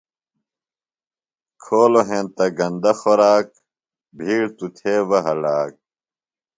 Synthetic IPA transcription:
kʰoːloɦẽnt̪ɐɡɐ̃nd̪ɐxoɾaːk̚ | bʱiːɽt̪ut̪ʰeːwɐɦɐɽaːk̚

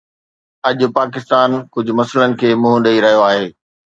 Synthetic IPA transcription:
ɐʄʊ̆paːk̬ɪst̪aːnkʊd͡ʑʱʊ̆mɐslənɪ̆kʰeːmʊ̃ɦʊ̃ɗɐiɾɐɦijoaːɦeː

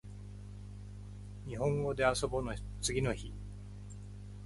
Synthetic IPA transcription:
ɲ̟iɦõ̞ŋɡo̞d̪e̞aso̞bo̞no | t͡sɨɡʲino̞çi

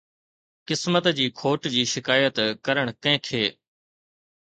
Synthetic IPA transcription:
kɪsmət̪d͡ʑiːkʰoːʈd͡ʑiːʃɪkaːjət̪kəɾəɽ̃kɐ̃ɦɪ̃kʰeː

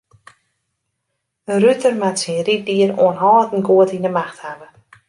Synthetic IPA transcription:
ərytərmatsinrit̚diərṵənɦɔːtən̩ɡuətinəmaxthavə

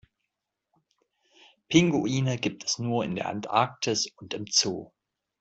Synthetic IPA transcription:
pʰɪŋɡoiːnəɡiːp̚tʰɛ̥snuːɐɪ̰ndeːɐʔɛ̰ntʔa̰ɐk̚tʰɪsʊntɪmt͡so̰ː

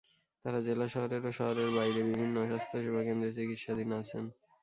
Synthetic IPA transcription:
t̪aɾad͡ʑelaʃɔɦoɾeɾoʃɔɦoɾeɾbajɾebibʱinːoɔʃast̪ʰoʃebʱakend̪ɾeɾt͡ɕikit̪ʃad̪inat͡ɕʰen

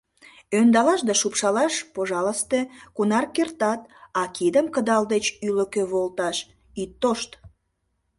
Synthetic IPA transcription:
ønd̪ɑlɑʃd̪ɑʃupʃɑlɑʃpoʒɑləst̪ekunɑrkert̪ɑt̪̚ɑkid̪əmkəd̪ɑld̪et͡ɕyləkøβolt̪ɑʃ | it̪ːoʃt̪

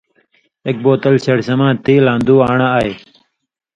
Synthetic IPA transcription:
ek̚boːt̪əlseɽsəmãːt̪iːlãːnd̪uːaːɳaaːeː

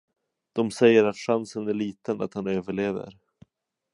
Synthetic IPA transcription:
d̪̥ɔmsɛjːəɾat̪ɧansənæɭiːt̪əna̰t̪hanøːvəɭeːvə̰ɾ

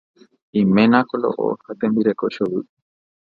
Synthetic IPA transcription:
ĩmẽnãkolo̰ʔo̰hat̪embiɾekoʃoβɨ

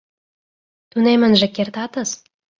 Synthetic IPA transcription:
t̪unʲemɘ̆nʒɘkʲert̪ɑt̪ɤs

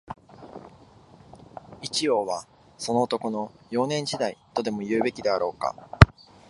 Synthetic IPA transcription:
it͡ɕio̞ːβa | so̞no̞ːt̪o̞ko̞no̞jo̞ːnẽ̞ɲ̟d͡ʑid̪ait̪o̞d̪e̞mo̞jɯ̟ːbe̞kʲid̪e̞aɾo̞ːka̰

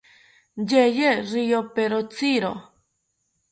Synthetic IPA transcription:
d͡ʒejerijopeɾot͡siɾo

